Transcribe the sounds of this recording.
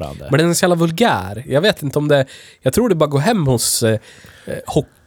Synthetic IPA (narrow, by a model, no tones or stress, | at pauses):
a̰nd̪ə̰mɛnɛɛnsɔjɑːlavɵlɡæ̰ːɾjɑaɡveːt̪ɪnt̪əɔmd̪ɛjɑt̪ʰɾuːɖɛbɑːɾaɡoːɾɦɛmːhʊs | hɔk